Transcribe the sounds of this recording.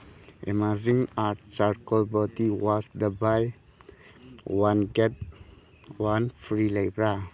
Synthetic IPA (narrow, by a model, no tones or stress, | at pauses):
ʔḛmazĩŋaɾt̚saɾkɔlbɔt̪iwɔsd̪əbaj | wãnɡɛt̪̚ | wãnfɾilebɾa